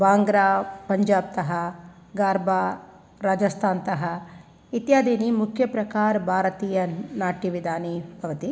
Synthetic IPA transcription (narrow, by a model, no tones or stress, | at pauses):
baːŋɡɾaːpɐɲd͡ʒaːb̚t̪ɐɦɐ | ɡaːɾbʱaː | ɾaːd͡ʒɐst̪ʰaːnt̪ɐɦɐ | it̪jaːd̪ʱiːnimukʰjɐpɾɐkaːɾɐbʱaːɾɐt̪iːjɐnaːʈiʋid̪ʱaːnibʱɐʋɐt̪i